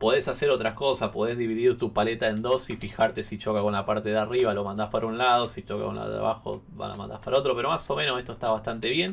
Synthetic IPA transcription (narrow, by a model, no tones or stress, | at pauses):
po̞ðesase̞ɾo̞t̪ɾako̞saspo̞ð̞ezðiβiðiɾt̪upalet̪aend̪o̞sifixaɾt̪e̞sit͡ʃo̞kako̞nlapaɾt̪e̞ðeariβalo̞mãnd̪aspaɾaunlað̞o̞sit͡ʃoka̰koṵnla̰ðo̰ða̰βa̰xo̞̰ | a̰la̰mã̰nd̪a̰paɾao̞t̪ɾo̞pe̞ɾo̞maso̞mẽnose̞st̪oest̪aβast̪ant̪e̞βje̞n